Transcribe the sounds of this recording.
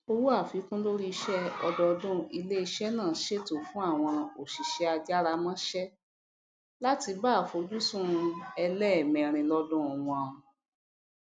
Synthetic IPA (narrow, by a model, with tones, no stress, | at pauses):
o˧wu˦a˦˨fi˨˦kũ˦lo˦ɾi˦˧ʃɛ˦ɔ˧dɔ˧dũ˦i˧le˦i˧ʃɛ˦nãː˦˨ʃe˦to˦˨fũ˨˦a˦˨w̃ɔ̃˧o˨ʃi˨ʃɛ˧a˧d͡ʒa˦ɾa˧mã˦ʃɛ˦ | la˦ti˧baː˦˨fo˧d͡ʒu˦sũ˦˧ɛ˧lɛ˦˨mĩ˨ɾ̃ĩ˧lɔ˦dũ˦ɔ˨wɔ̃˨˧ã˨ũ˨